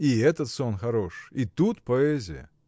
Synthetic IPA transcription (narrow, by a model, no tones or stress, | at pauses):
iɛt̪ət̪sonxɐɾoʂit̪ut̪pɐɛzʲɪjə̰